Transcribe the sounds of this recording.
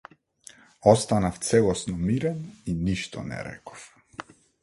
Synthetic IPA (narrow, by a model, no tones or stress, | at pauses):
ɔst̪anaft̪sɛlˠɔsnɔmiɾɛniniʃt̪ɔ̰nɛ̰ɾɛ̰kɔ̥f